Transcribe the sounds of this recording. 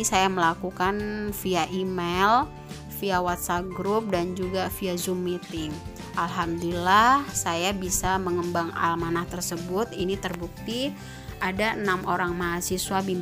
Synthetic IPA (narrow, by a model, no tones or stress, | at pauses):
isajaməlakukanfiaʔimel | fiawat̪sap̚ɡɾup̚dand͡ʒuɡafiazumːit̪i | ʔalɦamdulahsajabisaməŋəmbaŋa̰lmanaht̪ərsəbʊt̪init̪ərbuk̚t̪i | ʔadaənamʔoɾaŋmaɦasiswabim